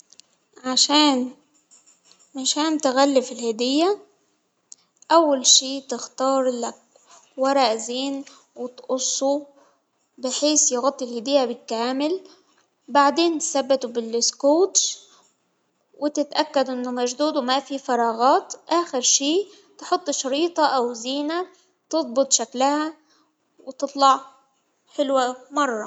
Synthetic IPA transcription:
ʕaʃaːn | ʕaʃaːnt̪ɪɣalːɪfɪlhɪd̪ɪjːa | ʔawːalʃiːt̪ɪxt̪ɑːɾˤlak̚ | wɑɾˤɑʔziːn | wɪt̪ʔʊsˤːu | bɪħeːsjɪɣʊt̪ˤːilhɪd̪ɪjːabɪkaːmɪl | baʕd̪eːnt̪sabːɪt̪ubɪlɪskoːt̪ | wɪt̪ɪt̪ʔakːad̪ʔɪnːʊmaʒd̪uːd̪umafifɑɾˤɑːɣɑːt̪ʔaːxɪɾʃiː | t̪ħʊt̪ˤːʃɑɾiːt̪ˤɑʔawziːna | t̪ɨðˤbɨt̪ˤʃaklaha | wɪt̪ɨt̪ˤlɑʕ | ħɪlwamɑrˤːɑ

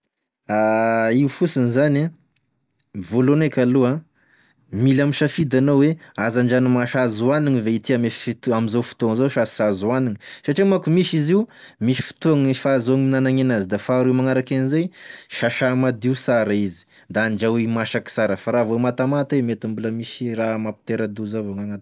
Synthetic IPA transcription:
aiufusinizana | volonekʲalua | milamiʃafid̪anowweazaɳɖ͡ʐanumaʃazuaniŋiveit̪iamefit̪amizowfu̥t̪oaŋzowʃassazuaniŋisaʈ͡ʂimakumiʃiziwmiʃi̥fi̥t̪uaŋfazoaŋinanaŋenazid̪afaɾumaŋaɾakanizajʃaʃamad̪iwsaɾaizi̥ | d̪aːɳɖ͡ʐawimaʃaki̥saɾəfaɾavoemat̪amat̪wemet̪ambuləmiʃiramapi̥t̪eɾad̪uzavoŋaŋat̪

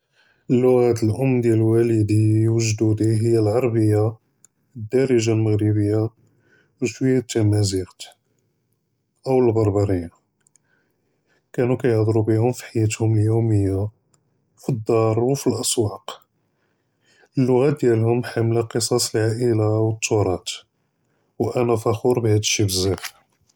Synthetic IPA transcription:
ʔəlːʊɣæt̪əlʔʊmd̪jælwæləd̪iwəʒd̪ud̪iɦəjːælʕɑɾˤbəjːa | d̪ːɑɾəʒalməɣɾibəjːa | wʃwiːæt̪ːæmæziqt̪ | ʔəwəlbɑɾˤbɑɾˤij | kænukæjəhd̪ˤɾubihʊmfi̥ħajæt̪hʊməljuwməjːa | fid̪ːɑɾˤwfilʔɑsˤwɑq | əlːʊɣæt̪̚d̪jælhʊmħamlæqəsˤɑsˤəlʕaʔəlawət̪ʰːʊɾˤɑt̪ | wʔænæfæxuɾˤbhæd̪əʃːibəzæf

